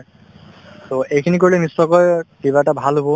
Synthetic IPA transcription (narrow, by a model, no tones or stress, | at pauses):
toejkʰinik̬oɹilɛnisːɔkɔjkibaɛtabʱalɦobɔ